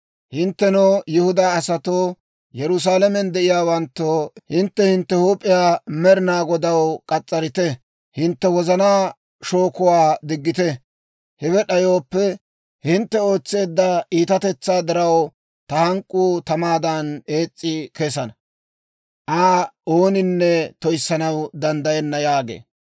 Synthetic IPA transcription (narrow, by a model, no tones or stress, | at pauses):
hɪnt̪ːɛnoːjɪhʊd̪aːɐsɐt̪oː | jɛɾʊs̬aːlɐmɛnd̪ɛʔɪjaːwɐnt̪ːoːhɪnt̪ːɛhɪnt̪ːɛhuːpʼːɪjaːmɛɾɪnaːɡɔd̪ɐwkʼɐt͡sʼːɐɾɪt̪ɛ | hɪnt̪ːɛwɔzɐnaː | ʃo̞ːkʊwaːd̪ɪɡːɪt̪ɛ | hɛwɛɗɐjo̞ːpːɛ | hɪnt̪ːɛo̞ːt͡sːe̞ːd̪ːɐʔiːt̪ɐt̪ɛt͡sːaːd̪ɪɾɐw | t̪ɐhɐŋkʼuːt̪ɐmaːd̪ɐne̞ːt͡sʼːɪkesɐnɐ | ʔaːo̞ːnɪnːɛt̪ɔjsːɐnɐwd̪ɐnd̪ɐjɛnːɐjaːɡḛː